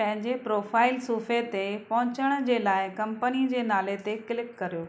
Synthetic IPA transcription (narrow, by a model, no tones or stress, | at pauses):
pɐ̃ɦɪ̃ɲd͡ʑepɾoːfaːɪlsuːfet̪epɐɦʊ̃t͡ɕəɽ̃d͡ʑeːlaːɪkɐ̃mpənid͡ʑeːnaːlet̪ekɪlɪkkːɐɾijoː